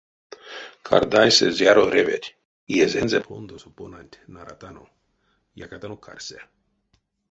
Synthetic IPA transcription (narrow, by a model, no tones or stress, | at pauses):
kʰa̰ɾd̪ajsḛzjaɾoɾevet̪ʲ | iezenzepʰond̪osoponanʲt̪ʲnaɾat̪ano | ja̰kat̪anokʰa̰ɾse